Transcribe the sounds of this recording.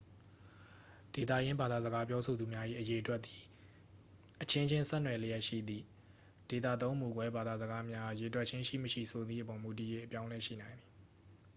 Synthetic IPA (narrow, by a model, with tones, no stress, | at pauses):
d̥e˨t̪̬ä̰˦˨jɪ̃˦mba˨d̪a˨zə˨ɡa˦p̬jɔ˦sʰo˨d̪u˨mja˦ʔḭ˦˨ʔəje˨ʔətwɛ˦t̪̚t̪ːi˨ | ʔət͡ɕʰɪ̃˦ɲd͡ʑɪ̃˦nsɛ˦ʔnwɛ˨lə˨jɛ˦ʔʃḭ˦˨d̪ḭ˦˨ | d̥e˨t̪ä̰˦˨t̪õ˦ʊ̃mu˨ɡwɛ˦ba˨d̪a˨zəɡa˦mja˦je˨ətwɛ˦ʔ̚t͡ɕʰɪ̃˦ʃḭ˦˨məʃḭ˦˨so˨d̪ðḭ˦˨ʔəpɔ˨mu˨t̬i˨je˦ʔəpjã˦ʊ̃lɛ˦ʃḭ˦˨nã˨ɪ̃nd̪ði˨